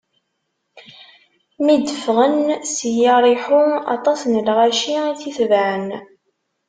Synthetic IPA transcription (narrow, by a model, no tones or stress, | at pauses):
mid̪əfʁənsəjɑɾˤiħuɑ̰t̪ˤɑsnəlʁæʃiθiθvæʕən